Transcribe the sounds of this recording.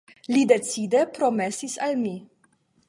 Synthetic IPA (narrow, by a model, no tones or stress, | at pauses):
lide̞t͡sidepɾo̞me̞sisalmi